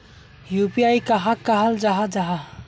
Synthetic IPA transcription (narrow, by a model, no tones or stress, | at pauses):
jupiaikəɦakːəɦəld͡ʒaɦad͡ʒaɦa